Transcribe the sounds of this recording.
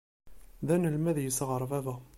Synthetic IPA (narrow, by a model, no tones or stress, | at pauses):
ðænəlmæðjəsʁəɾˤvævæ